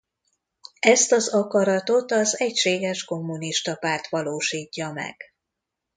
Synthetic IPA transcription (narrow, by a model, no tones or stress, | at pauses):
ɛst̪ɒzɒkɒɾɒt̪o̞t̪ɒzɛcʃeːɡɛʃko̞mːuniʃt̪ɒpaːrt̪ʋɒloːʃiːcːɒmɛ̰ɡ̥